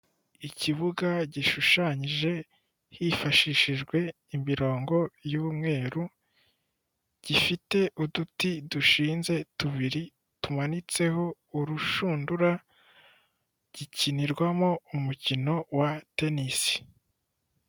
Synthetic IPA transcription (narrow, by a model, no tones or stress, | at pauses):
iciβuɡaɟiʃuʃaɲiʒe̞ | hifaʃiʃiʒɡwe̞ | imiɾo̞ːŋɡo̞juːmŋe̞ːɾu | ɟ̥ifite̞ʔudutiduʃiːnze̞tuβiɾi | tumanit͡se̞ho̞ | uɾuʃuːnduɾa | ɟ̥iciniɾɡwamo̞umucino̞wate̞nisi̥